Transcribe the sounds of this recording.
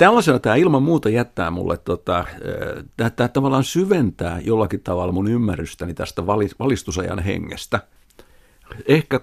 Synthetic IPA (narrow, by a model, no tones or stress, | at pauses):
t̪ælːæsenɑt̪æːilmɑmmuːt̪ɑjæt̪ːæ̰ːmṵlːʔḛt̪t̪ot̪ɑ̰ | t̪æːt̪ːˑæːtt̪ɑʋɑlːˑɑnsyʋent̪æ̰ːjolːɑkitt̪ɑʋɑlːɑmunymːærːyst̪ænit̪æst̪æʋɑliʋɑlist̪usɑjɑ̰nhḛŋːḛst̪æ | ehkæ